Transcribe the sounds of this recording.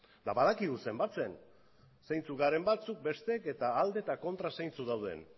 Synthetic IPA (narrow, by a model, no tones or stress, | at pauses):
d̪aβaðakiðuse̞mbat͡se̞n | sajnt͡suɣaɾe̞mbat͡suk̚be̞st̪eke̞t̪aːld̪e̞t̪ako̞nt̪ɾasajnt͡suðawð̞e̞̰n